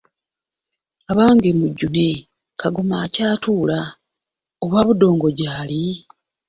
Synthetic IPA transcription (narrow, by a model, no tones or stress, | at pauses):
aβaːŋɡemuɟːune̞ | kʰaɡomaːcaːtuːla | o̞βwaːβudo̞ːŋɡo̞ɟaːli